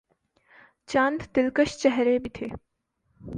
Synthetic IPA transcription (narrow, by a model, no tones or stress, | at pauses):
t͡ʃãːnd̪t̪ɪlkəʃt͡ʃɛɦɾebit̪ʰeː